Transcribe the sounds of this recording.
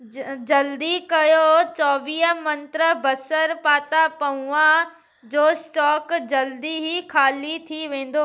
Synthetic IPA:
d͡ʑɐld̪ikɐjot͡ɕɔːʋiːɦəmɐ̃nt̪ɾəbɐsəɾpaːt̪apɐuã | d͡ʑoːsʈɔːkd͡ʑɐld̪iɦikʰaːlit̪ʰiʋẽːn̆d̪oː

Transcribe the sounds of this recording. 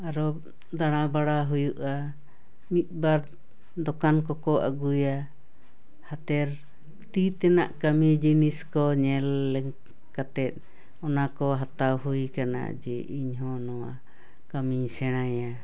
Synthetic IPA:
aɾɔ | d̪aɽ̃abaɽaɦujuʔa | mit̪̚ˀbaɾ | d̪ɔkankɔkɔʔa̰ɡuja | hat̪ɛɾ | t̪it̪ɛnaʔkamid͡ʒiniskɔɲɛlːɛŋ | kat̪ɛt̪̚ˀ | ɔnakɔɦat̪awɦujkana̰d͡ʒɛʔiɲɦɔ̃nɔwa̰ | kamiɲsɛɽ̃aja

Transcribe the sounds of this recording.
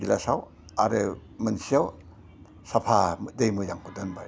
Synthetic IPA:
ɡilasaw | aɾɯ | mɯnsijaw | sapʰamdejmɯjaŋkʰudɯnba̰

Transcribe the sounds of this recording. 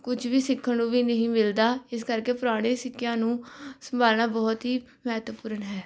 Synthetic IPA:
kʊd͡ʒʋiːsɪkʰːənũːʋiːnəɦĩːmɪld̪aːɪs̬kəɾkeːpʊɾaːɽ̃ẽːsɪkːɪjãːnũːsəmbʱaːlnaːbɔːt̪ɦiː | mɛːt̪əpuːɾənɦɛː

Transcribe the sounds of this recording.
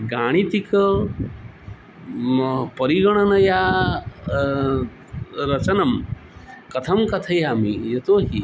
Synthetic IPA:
ɡaːɽ̃it̪ikɐ | pɐɾiɡɐɽ̃ɐnɐjaː | ɾɐt͡ʃɐnɐm | kɐt̪ʰɐmkɐt̪ʰɐjaːmijɐt̪oːɦi

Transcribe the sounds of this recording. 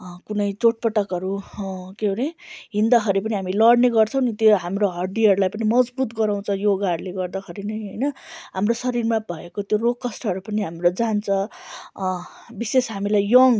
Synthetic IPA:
kunʌjt͡soʈ̚pʌʈʌkʌɾukeɦoɾeɦind̪ʌkʰʌɾipʌniɦamilʌɽneɡʌrt͡sʰʌw̃nit̪joɦamɾoɦʌrɖiʌɾulajpʌnimʌd͡zbut̪ɡʌɾaw̃t͡sʰʌ̃joɡaɽleɡʌrd̪ʌkʰʌɾinʌjɦʌjnʌɦamrosʌɾirmabʱʌekot̪jorokːʌsʈʰɦʌɾupʌniɦamɾod͡zant͡sʰʌ̃ | bisesɦamilajjʌŋ

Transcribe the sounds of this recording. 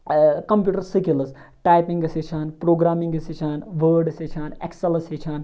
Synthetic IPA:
kɐmpjuːʈəɾsikilɐsʈaːjpiŋɡɐset͡ʃʰaːnpɾoːɡɾaːmĩŋɡɐsit͡ʃʰaːnʋəːɾɖset͡ʃʰaːnḛkselɐset͡ʃʰaːn

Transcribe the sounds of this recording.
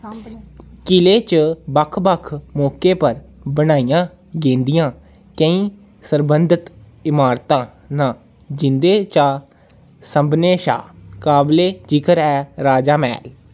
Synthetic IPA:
kɪleːt͡ʃbəkʰbəkʰmɔːkeːpəɾbənaːijãː | ɡẽːnd̪ɪjãː | kə̃ĩː | səɾbənd̪ɪt̪ | ɪmaːɾt̪ãː | nãː | d͡ʒɪnd̪eːt͡ʃaː | səmbneːʃa̰ːkaːbleːd͡ʒikəɾɛːɾaːd͡ʒaːmɛ̰ːl

